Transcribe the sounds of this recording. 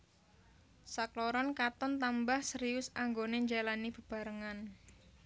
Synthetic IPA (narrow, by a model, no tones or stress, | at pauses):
sakloɾɔnkat̪ɔnt̪ambahsəɾiʊsaŋɡoneɲd͡ʒalanib̥ə̤b̥a̤ɾəŋan